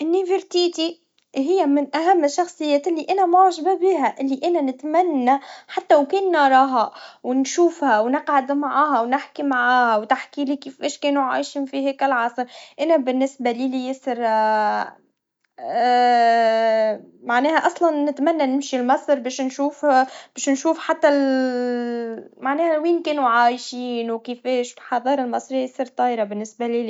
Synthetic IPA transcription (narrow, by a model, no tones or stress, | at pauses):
ʔɪnːivɪɾt̪iːt̪i | ɦɪjːæmɪnʔæɦæmːɪʃːɑxsˤɨjːɛːt̪ɪlːiʔænæmoʕʒbæbiːɦæʔɪlːiʔænænɪt̪mænːæħat̪ːæwkɛːnːɑɾˤɑːɦæwnʃuːfhæwnɪqʕad̪maʕaːɦæwnɪħkimaʕaːhæwt̪aħkilikiːfɛːʃkɛːnuʕa̰jʃimfiɦɛːkɪlʕɑsˤɾʔɪnæbɪnːɪsbæliːlijɪsɾ | maʕnɛːhæʔɑsˤlɑnːɪt̪mænːænɪmʃilmɑsˤɾbeːʃnʃuːfb̥eːʃnʃuːfħat̪ːæl | maʕnɛːhæwiːnkɛːnuʕaːjʃiːnwkɪfɛːʃlħɑðˤɑːɾˤɪlmɑsˤɾijsˤiɾt̪ˤɑːjɾɑbɪnːɪsbæliliː